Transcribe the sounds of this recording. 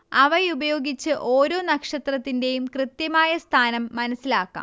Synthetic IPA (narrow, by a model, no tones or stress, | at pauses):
ɐʋɐjubɐjo̞ːɡit͡ɕːɨʔo̞ːɾo̞ːnɐkʂɐt̪rɐt̪ːinde̞jumkrɨt̪jɐmaːjɐst̪ʰaːnɐmːɐnɐsːilaːkːa̰ː